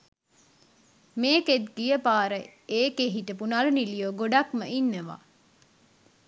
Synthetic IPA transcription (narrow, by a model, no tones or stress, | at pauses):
meːked̪ɡijəpaːɾəeːkeɦiʈəpunalunilijoːɡoɖakməinːəʋa̰ː